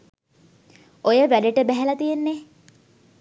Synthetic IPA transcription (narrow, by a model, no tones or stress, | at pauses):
ojəʋæɖeʈəbæɦælɐt̪ijenːe